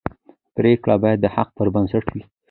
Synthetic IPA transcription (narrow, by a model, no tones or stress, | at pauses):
pɾekɽabɑjad̪ːəhaq̚pəɾbansaʈwi